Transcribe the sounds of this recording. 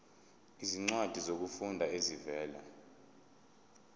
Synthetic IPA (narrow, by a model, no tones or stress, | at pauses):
iziŋ͡ǀwad̥ʱizok̬ufundʱaezivɛːla̰